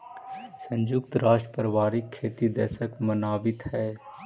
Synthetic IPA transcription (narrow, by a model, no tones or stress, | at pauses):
sə̃ɲd͡ʒʊkt̪ɾaːʃʈɾə̥pəɾəʋaːɾikʰːeːt̪id̪ɛ̰ːʃəkmənaːbɪt̪hɛː